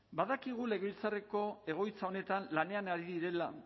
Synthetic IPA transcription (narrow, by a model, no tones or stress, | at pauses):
baðakiɣ̞ule̞ɣilt͡sareko̞e̞ɣ̞o̞jt͡sao̞ne̞t̪anlane̞anaɾiðiɾe̞la